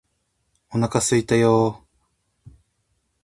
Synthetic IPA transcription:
onakasɨit̪ajoː

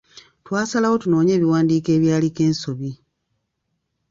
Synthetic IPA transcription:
twaːsalawo̞tuno̞ːɲe̞ːβiwaːndiːke̞ːβjaːlike̞ːnso̞βi

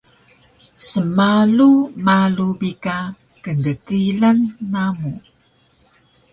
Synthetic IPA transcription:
səmalumalubika | kəndətilanːamu

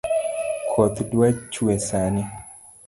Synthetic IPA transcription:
kʰɔt̪dwat͡ʃwesani

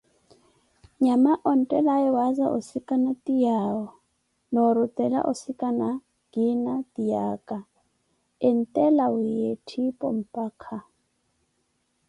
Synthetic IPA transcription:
ɲamaʔɔn̩tʼɛlaɛwaza̰ʔʊ̰sikʼanatʼijaɔ | nɔɾutʼɛla̰ʔʊsikʼana | ɡ̥inatijaːkʼa | ɪn̩tʼɛlaʊjetʰipʼɔ̰m̩pʼaːkʰa

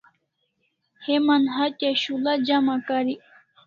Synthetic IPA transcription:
hemanɦataɕulad͡ʑamakaɾi

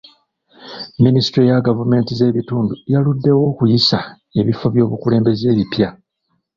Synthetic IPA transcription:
ministɾijaɡavume̞ːntize̞ːβituːndujaludːe̞wo̞ːkujisa | e̞βifo̞βjo̞ːβukule̞ːmbe̞ze̞ːβipja

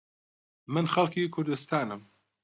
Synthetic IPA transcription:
mɨnxɐlˠkiːkʰʊɾd̪ɨst̪aːnɨm

